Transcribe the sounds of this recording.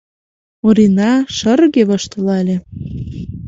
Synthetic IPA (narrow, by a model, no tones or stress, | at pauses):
oɾinɑʃərɣeβɤʃt̪ɤ̆lɑlʲe